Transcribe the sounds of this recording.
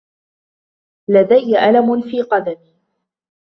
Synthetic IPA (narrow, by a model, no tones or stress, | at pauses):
lad̪ajːaʔalamʊnfiːqɑd̪ami